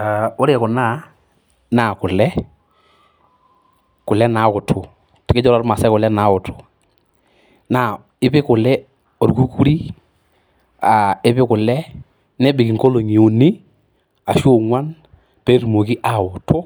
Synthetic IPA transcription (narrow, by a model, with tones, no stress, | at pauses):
a˨ʊ˦ɾe˨kʊ˨na˦˨ | na˨kʊ˨lɛ˦ | kʊ˨lɛ˦na˨˦ʊ˨tʰʊ˨ | kɪ˦d͡ʒɔ˦lɔ˦ɾma˨sɛ˦kʊ˨lɛ˦na˨˦ʊ˨tʰʊ̥˨ | na˨ | ɪ˦pɪ˦kʊ˨lɛ˦ | o˨ɾɡu˦ku˦ɾi˦ | a˨ɪ˦pɪ˦kʊ˨lɛ˦ | nɛ˦bɪ˨kɪ˨ŋko˦lo˨ŋi˨ʊ˨nɪ˦ | a˨ʃo˦ŋwa˦n | pɛ˦ɾmo˨kɪ˦ʔa˨ʊ˨tʰʊ˦